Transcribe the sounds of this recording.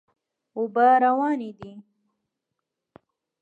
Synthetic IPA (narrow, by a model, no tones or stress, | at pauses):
ʊbaɾawɑːnid̪i